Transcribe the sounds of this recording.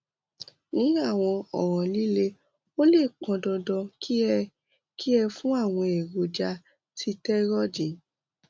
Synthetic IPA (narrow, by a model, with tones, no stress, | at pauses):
nĩ˨˦a˦˨w̃ɔ̃˧ɔ̰˨ɾ̃ɔ̃˨li˦le˦ | o˦le˦˨k͡pɔ̃˧dɔ˧dɔ˧ki˦ | ki˦ɛ˧fũ˦a˦˨w̃ɔ̃˧e˨ɾo˨d͡ʒa˧ | tʰi˧tɛ˦ɾɔ˦d͡ʒi˨